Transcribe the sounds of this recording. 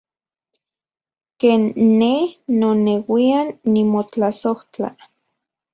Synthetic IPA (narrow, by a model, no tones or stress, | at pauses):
keːnːehnonewianːimot͡ɬasoht͡ɬa̰